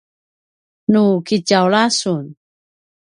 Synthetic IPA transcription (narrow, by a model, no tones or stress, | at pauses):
nukicawlasun